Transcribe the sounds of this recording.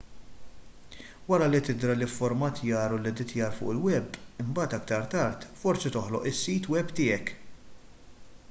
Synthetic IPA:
wɐɾɐlit̪ɪd̪ɾɐlɪfːɔɾmɐt̪jɐːɾulid̪ɪt̪jɐːɾfʊ̰ːʔɪlwɛbːɪmbɐːt̪ɐkt̪ɐɾt̪ɐɾt̪fɔɾsit̪ɔħlɔ̰ʔɪsːiːt̪wɛbt̪ɪːɛk

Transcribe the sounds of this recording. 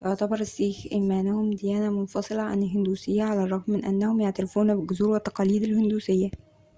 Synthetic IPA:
wʔoʕt̪æbɑɾˤɪsːiːxʔimænæhʊmd̪ɪjæːnæmʊnfɑsˤɨlɑʕa̰nɪlɦɪnd̪uːsɪjːæʕalærˤːɑɣmːɪnʔæ̰nːæhʊmjaʕt̪æɾɪfuːnæbɪlɡʊzuːɾwæt̪ːɑqɑːliːd̪ɪlhɪnd̪uːsɪjːæ

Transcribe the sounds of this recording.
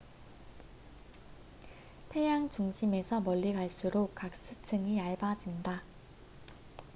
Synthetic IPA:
tʰe̞jaŋt͡ɕuŋɕʰime̞sʰʌmʌʎːiɡaɭs͈uɾokk͈ak̚s͈ɯtʰɯŋiaɭbad͡ʑinda

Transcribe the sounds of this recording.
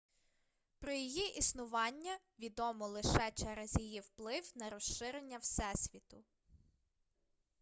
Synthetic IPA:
pɾɔjijiʔisnʊʋɑnʲːɐ | ʋʲid̪ɔmɔlˠɪʃɛt͡ʃɛɾɛzjijiwplˠɪwnɐɾɔʃɪɾenʲːɐwsɛsʲʋʲit̪ʊ

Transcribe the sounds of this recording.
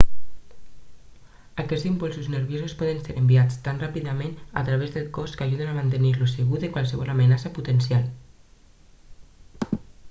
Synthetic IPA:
akɛd͡zzimpulˠsuznəɾβjozuspɔðənseɾəmbiat͡st̪anrapiðamẽna̰t̪ɾaβezðəlˠkɔskaʒuðenamant̪əniɾluseɣuðekwalˠsəβɔlamənasəput̪ənsjalˠ

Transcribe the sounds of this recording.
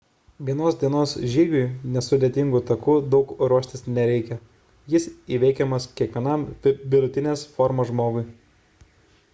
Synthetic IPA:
ʋʲiɛnoːsd̪ʲiɛnoːsʒʲiːɡʲʊjnʲɛsʊd̪ʲeɛt̪ʲɪŋɡut̪ɐkuːd̪ɒʊkɾuɔʃʲt̪ʲɪsnʲɛɾʲɛɪkʲɛ | jɪsiːʋʲɛɪkʲɛmɐskʲiɛkʋʲiɛnɐˑmʋʲɪd̪ʊt̪ʲɪnʲeːsfɔɾmoːʒmoːɡʊɪ

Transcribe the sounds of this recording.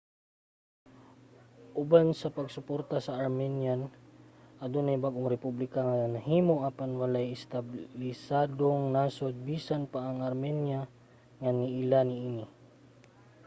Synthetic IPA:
ʔʊbansɐpɐɡsʊpoɾt̪asɐʔːɾmɛnjan | ʔɐd̪onɐjbaɡʔoŋɾɛpublɪkaŋanɐhiːmoʔaːpanwɐlajɪst̪ablɪsaːd̪oŋnasod̪̚biːsanpaʔːŋɐɾmɛnja | ŋanɪʔɪlanɪʔinɪ

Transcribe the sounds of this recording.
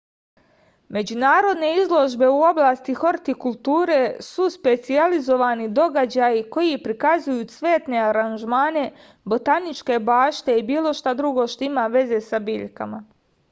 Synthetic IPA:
me̞d͡ʑunaːɾo̞d̪ne̞izlˠo̞ʒbe̞uo̞blˠaːst̪ixo̞ɾt̪ikulˠt̪uːɾe̞suspe̞t̪sializo̞ʋaːnid̪o̞ɡad͡ʑaːjiko̞jipɾikazujuːsʋe̞ːt̪ne̞aɾanʒmaːne̞ | bo̞t̪anit͡ʃke̞baːʃt̪e̞ibiːlo̞ʃt̪ad̪ɾuɡo̞ʃt̪oimaʋe̞ze̞sabiːʎka̰ma

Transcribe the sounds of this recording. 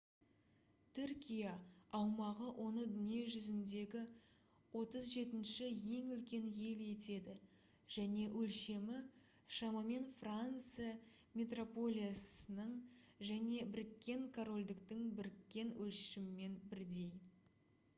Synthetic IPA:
t̪ʰʏɾkʲʰijaːwmɑʁəwʔo̞nəd̪ʏnijeʒʏzɪnd̪e̞ɡʲɪ | wo̞t̪əzʒe̞t̪ɪnʃɪje̞ŋʏlkʲe̞nje̞le̞t̪e̞d̪ɪ | ʒ̥æne̞ʔɵlʃe̞mɪ | ʃɑmɑme̞nfrant̪sɨja | mʲe̞t̪ro̞po̞lʲˠijasənəɴʒæne̞bɪɾɪkʲːe̞ŋkʰoɾo̞lʲd̪ɪkt̪ɪŋbɪɾɪkʲːe̞nwɵlʃɪmɪme̞nbɪɾd̪e̞j

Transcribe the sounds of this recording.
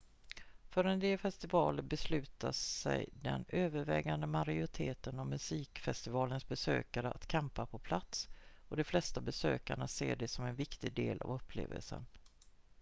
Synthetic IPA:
fœɾɛnd̪eːlfɛst̪ɪvɑːləɾbɛslʉ̟ːt̪aɛ̰jd̪ɛ̰nøːvəɾvɛːɡand̪əmaɾaʊɾɪt̪ʰeːt̪ənɔvmːɵsiːkfɛst̪ɪvɑːlənsbɛsøːkaɾəʔat̪kʰɛmpapʰɔpʰlat̪sɔd̪ɛflɛst̪abɛsøːkaɳaseːɖɛsɔmɛnvɪkt̪ɪɡd̪eːlʔa̰vɵpʰːlḛːvə̰lsə̰n

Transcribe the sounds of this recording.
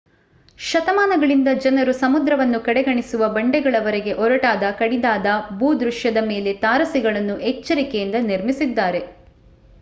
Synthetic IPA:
ʃɐt̪ɐmaːnɐɡɐɭind̪ɐd͡ʒɐnɐɾusɐmud̪ɾɐʋɐnːukɐɽɛɡɐɳisuʋɐbɐɳɖɛɡɐɭɐʋɐɾeɡe̞ʔɔɾɐʈaːd̪ɐkɐɽid̪aːd̪ɐbuːd̪ɾuʃjɐd̪ɐmeːle̞t̪aːɾɐsiɡɐɭɐnːuɛt͡ʃːɐɾikejind̪ɐniɾmisid̪ːaːɾe̞

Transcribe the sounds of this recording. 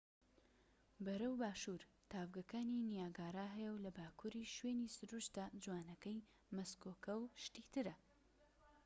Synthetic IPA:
bɐɾɐwbaːʃuɾ | t̪ʰaːvɡɐkaːninijaːɡaːɾaɦɛjɛwlɐbaːkʰuɾiʃwenisɨɾuʃt̪d̪ad͡ʒwaːnɐkɐj | mɐskoːkɐwʃt̪iːt̪ɨɾɐ

